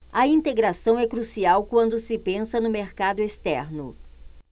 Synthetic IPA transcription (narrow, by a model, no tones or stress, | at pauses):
ɐĩnt̪eɡɾasɐ̃w̃ɛkɾusiawkwɐ̃nd̪ʊsɪpẽsɐnʊmeɾkad̪ʊest̪ɛɾnʊ